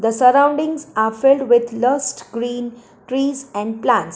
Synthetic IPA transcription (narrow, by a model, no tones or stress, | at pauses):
d̪əsəɾãʊ̃ɳɖɪ̃ŋzaɾfɪlɖʋɪd̪ləsʈɡɾiːn | ʈɾiːzɛ̃ɳɖplãnʈs